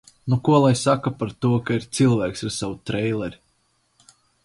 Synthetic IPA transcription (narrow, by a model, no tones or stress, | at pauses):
nukuɔlˠajsakapaɾt̪uɔkaiɾt̪silˠvæːksaɾsawut̪ɾɛjlˠɛɾ